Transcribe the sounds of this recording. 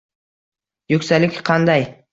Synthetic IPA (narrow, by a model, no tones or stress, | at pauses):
jɵksælɪkʲqʰɑnd̪ɑj